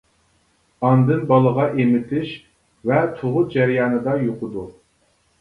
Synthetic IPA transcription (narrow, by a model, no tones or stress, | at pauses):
ɑnd̪ɨnbɑlˠəʁɑʔemɪt̪ʰlɪʃ | vɛt̪ʰoʁʊt̪̚d͡ʒɛɾijɑːnɨd̪ɑjoqʰʊd̪u